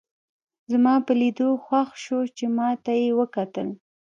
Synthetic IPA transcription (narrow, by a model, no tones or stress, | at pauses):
zmɑpəlid̪oxwaxʃot͡ʃemɑt̪ajewəkat̪əl